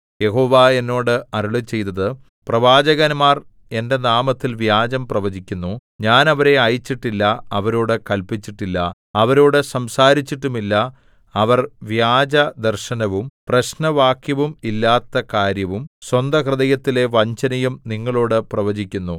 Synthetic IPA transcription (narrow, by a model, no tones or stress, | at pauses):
je̞ɦo̞ːʋaːe̞nːo̞ːɽɨɐɾuɭut͡ɕe̞jt̪ːɐðɨ | prɐʋaːd͡ʑɐɣɐnmaːr | e̞nde̞naːmɐt̪ːilʋjaːd͡ʑɐmprɐʋɐd͡ʑikʲːunːuɲaːnɐʋɐɾe̞ɐjit͡ɕːiʈːilːɐɐʋɐɾoːɽɨkɐlpit͡ɕːiʈːilːɐ | ɐʋɐɾoːɽɨsɐmsaːɾit͡ɕːiʈːumilːɐ | ɐʋɐrʋjaːd͡ʑɐd̪ɐrɕɐnɐʋumprɐɕnɐʋaːkjɐʋumilːaːt̪ːɐkaːɾjɐʋumswɐnd̪ʱɐkrɨðɐjɐt̪ːile̞ʋɐɲt͡ɕɐnɐjumniŋːɐɭoːɽɨprɐʋɐd͡ʑikʲːunːu